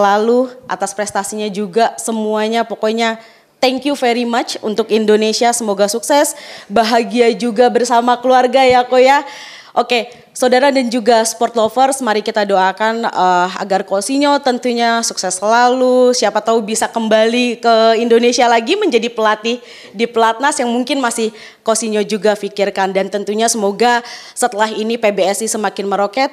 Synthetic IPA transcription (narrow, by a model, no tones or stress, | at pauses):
laluʔa̰t̪aspɾɛst̪asiɲad͡ʒuɡasəmuaɲapokoiɲa | t̪ɛŋkjufɛɾimat͡ʃṵnt̪ʊkindonesiasəmoɡasuksɛsbaɦaɡiad͡ʒuɡabərsamakəluarɡajakoja | ʔoke | saudaɾadand͡ʒuɡaspɔrt̪lofərsmaɾɪkit̪adoakanəa̰ɡarkosiɲot̪ənt̪uɲasuksɛsəlalusiapat̪aubisakəmbalikəindonesialaɡiməɲd͡ʒadipəlat̪ih | diplat̪̚nasjaŋmuŋkɪnmasɪh | kosiɲod͡ʒuɡafikɪrkandant̪ənt̪uɲasəmoɡa | sət̪əlaɦinipebeɛsnisəmakɪnməɾokɛt̪̚